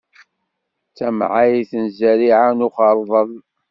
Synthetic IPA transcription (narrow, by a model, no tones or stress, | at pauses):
t͡sːæmʕajiθənzæɾiʕanʊχɑɾˤðˤəð